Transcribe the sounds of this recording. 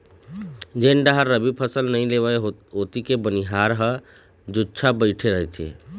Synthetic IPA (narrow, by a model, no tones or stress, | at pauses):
d͡ʒeɳɖaɦəɾəbipʰəsəlnəĩleβəɦot̪ikebəniɦaɾɦə | d͡ʒot͡ʃʰabəɪʈʰeɾəɦɛt͡ʃʰḛ